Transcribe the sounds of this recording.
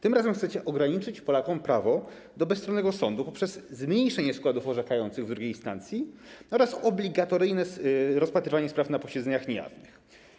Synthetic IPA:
t̪ɘmɾazɛmxt̪sɛt͡ɕɛʔɔɡɾaɲit͡ʂɘt͡ɕpɔlakɔmpɾavɔ | d̪ɔbɛst̪ɾɔnːɛɡɔsɔnd̪upɔpʂɛzzmɲejʂɛɲɛskwad̪ufɔʐɛkajɔnt̪sɘɣvd̪ɾuɡʲejst̪a̰nt̪sʲjiɔɾasɔblʲiɡat̪ɔɾɘjnɛɾɔspat̪ɾɘvaɲɛspɾafnapɔɕɛd̪zɛɲaxɲɛja̰vnɨx

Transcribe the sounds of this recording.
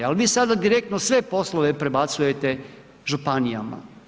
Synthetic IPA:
alʋiːsad̪ad̪iɾe̞k̚t̪nosʋe̞po̞slˠoʋe̞pɾe̞bat̪suje̞t̪e̞ | ʒupanija̰ma̰

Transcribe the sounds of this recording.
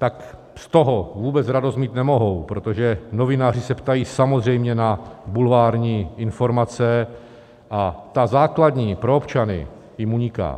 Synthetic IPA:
t̪ak | st̪oɦovuːbɛt͡sɾado̞st̪̚miːt̪nɛmo̞ɦo̞wpɾo̞t̪oʒɛno̞vɪnaːr̝ɪsɛpt̪ajiːsamozr̝ɛjmɲɛnabulvaːɾɲiːɪnfo̞ɾmat͡sɛ | ʔat̪azaːklad̪ɲiːpɾoopt͡ʃanɪ̰ | jɪmuɲɪka̰ː

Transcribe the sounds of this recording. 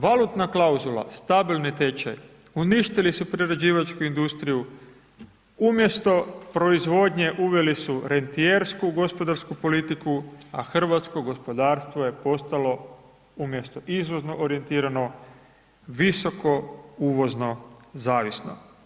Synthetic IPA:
ʋalut̪naklauzulˠa̰st̪abilnit̪et͡ʃa̰j | uniʃt̪ilisupɾiɾed͡ʑiːʋat͡ʃkuind̪ust̪ɾiju | umje̞st̪o̞pɾo̞izʋo̞d̪ɲe̞ʔuʋʲje̞lisuɾe̞nt̪ieɾskuɡo̞spo̞d̪aɾskupo̞lit̪ikuaxr̩ʋat̪sko̞ɡo̞spo̞d̪aːɾst̪ʋoje̞po̞st̪alo̞ | umje̞st̪o̞ʔizʋozno̞ʔoɾije̞nt̪iːɾano̞ | ʋiso̞ko̞uːʋo̞zno̞zaːʋisno̰

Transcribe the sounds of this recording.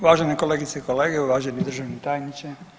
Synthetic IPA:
uʋaːʒenekoleːɡit̪seikoleːɡeuʋaːʒenid̪r̩ʒaʋnit̪aːjnit͡ɕe

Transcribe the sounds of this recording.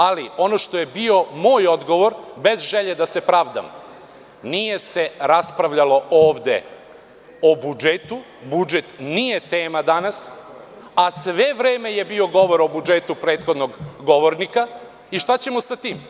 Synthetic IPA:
alio̞no̞ʃt̪o̞je̞bio̞mo̞ːjo̞d̪ɡo̞ʋo̞ɾbe̞zʒeʎe̞d̪ase̞pɾaːʋd̪a̰m | nije̞se̞ɾaspɾaʋʎalo̞oːʋd̪e̞̰ | obud͡ʒet̪u | bud͡ʒe̞t̪nije̞t̪eːmad̪anas | asʋe̞ʋɾeːme̞je̞bio̞ɡo̞ʋo̞ɾo̞bud͡ʒet̪upɾe̞ːt̪xo̞d̪noɡːo̞ʋoɾnika | iʃt̪at͡ɕe̞mosat̪iːm

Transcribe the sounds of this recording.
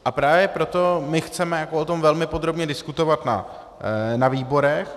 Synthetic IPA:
ʔapɾaːvjɛpɾo̞t̪o̞mɪxt͡sɛmɛjakoʔot̪o̞mvɛlmɪpo̞d̪ɾo̞bɲɛdɪskut̪o̞vat̪na̰ | naviːbo̞ɾɛx

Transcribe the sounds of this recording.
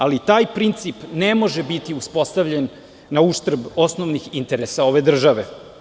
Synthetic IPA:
alit̪aːjpɾint̪sipnemo̞ʒebit̪iuspo̞st̪aʋʎenː | auʃt̪r̩bo̞snoʋnixint̪eɾesao̞ʋe̞d̪r̩ʒaʋe

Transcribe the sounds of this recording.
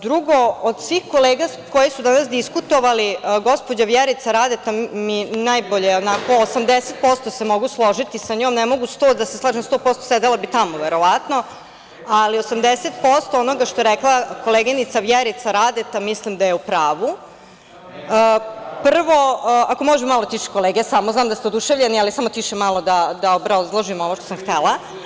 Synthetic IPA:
d̪ɾuɡo̞ːd̪sʋixko̞leːɡa | kojisud̪anasd̪iskut̪o̞ʋaliɡo̞spod͡ʑaʋjeɾit̪saɾad̪et̪aminajbo̞ʎeonako̞ːsamd̪eset̪̚po̞st̪o̞semoɡuslˠo̞ʒit̪isaɲoːmnemo̞ɡust̪od̪aseslˠaːʒemst̪o̞ːpo̞st̪osed̪elabit̪amoʋeɾo̞ʋat̪no̞ | aliosamd̪eset̪po̞st̪oono̞ɡaʃt̪oeɾeklˠako̞lˠeːɡenit̪saʋjeɾit̪saɾad̪et̪amislimd̪ajeupɾaːʋu | əpr̩ʋo̞ako̞mo̞ʒemmalˠot̪iʃi̥ko̞leːɡiesamoznaːmd̪ast̪eod̪uʃeʋvʎenialisamot̪iʃemalo̞d̪ad̪aobɾazlˠoʒimo̞noʃt̪osamxt̪elˠa

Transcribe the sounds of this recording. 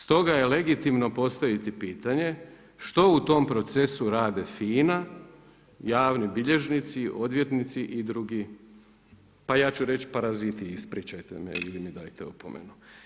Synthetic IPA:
st̪o̞ɡaje̞le̞ɡit̪imno̞po̞st̪aʋit̪ipiːt̪aɲe̞ | ʃt̪o̞ut̪o̞mpɾo̞t̪se̞suɾaːd̪e̞fiːna | jaːʋnibiʎe̞ʒnit̪siʔo̞d̪ʋje̞t̪nit̪siʔid̪ɾuɡi | pajaːt͡ɕuɾe̞t͡ʃpaɾazit̪iispɾiːt͡ʃajt̪emḛḭlimid̪aːjt̪ḛupo̰mḛnu

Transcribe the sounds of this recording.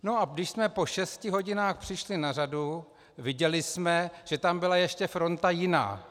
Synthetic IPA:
no̞ʔadɪʃsmɛpo̞ʃɛscɪɦo̞ɟɪnaːxpr̥ɪʃlɪnaradu | vɪɟɛlɪsmɛʒ̥ɛt̪ambɪlajɛʃcɛfɾo̞nt̪ajɪna̰ː

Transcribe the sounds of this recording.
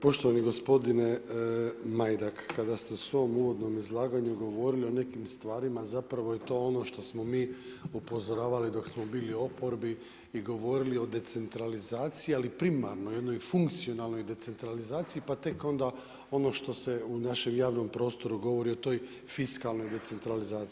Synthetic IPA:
po̞ʃt̪oʋaniɡo̞spo̞d̪ine̞ | majd̪akʰːad̪ast̪eusʋo̞muʋo̞d̪no̞mizlˠaːɡaɲuɡo̞ʋo̞ɾilio̞ne̞kimst̪ʋaːɾimazapɾaʋo̞jet̪o̞ːono̞ʃt̪o̞smo̞miː | upo̞zo̞ɾaːʋalid̪o̞ksmobiːlio̞po̞ɾbi | iɡo̞ʋo̞ɾilio̞d̪e̞t̪se̞nt̪ɾalizaːt̪sijialipɾimaɾnoje̞d̪no̞jfuŋkt̪sio̞nalˠno̞jd̪e̞t̪se̞nt̪ɾalizaːt̪sijipat̪e̞ko̞nd̪a | o̞no̞ʃt̪o̞se̞unaʃe̞mjaːʋno̞mpɾo̞ːst̪o̞ɾuɡo̞ʋo̞ɾio̞t̪o̞ːj | fiskalˠno̞jd̪e̞t̪se̞nt̪ɾalizaː

